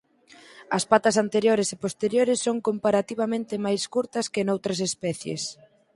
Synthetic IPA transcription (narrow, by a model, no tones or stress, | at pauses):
ɐspat̪ɐsant̪eɾjoɾesepost̪eɾjoɾɪsːoŋkompaɾat̪iβamẽnt̪ɪmajskuɾt̪ɐskɪnowt̪ɾɐsespɛθjḛs